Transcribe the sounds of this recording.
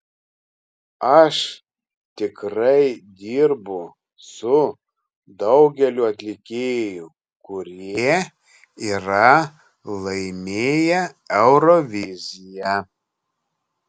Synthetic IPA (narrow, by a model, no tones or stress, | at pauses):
ɐʃ | t̪ʲɪkɾɐɪd̪ʲiːɾbʊ | sʊ | d̪ɒʊɡʲɛlʲʊɐt̪ʲlʲɪkʲeːjʊ | kʊɾʲiɛɛ | iːɾɐ | lˠɐɪmʲeːjɛɛʊɾɔʋʲɪzʲɪjɛ